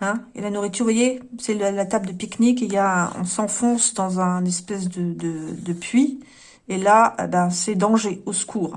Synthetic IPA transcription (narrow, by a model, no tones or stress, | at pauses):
ɛ̃ḛlanuʁit̪yʁvwajesɛləlat̪abd̪əpiknikejaɛ̃ɔ̰̃sɑ̃fɔ̃sd̪ɑ̃zɛ̃nɛspɛs̬d̪əd̪əd̪əpʰɥi | elaḛbasɛd̪ɑ̃ʒeosə̥kʰuːʁ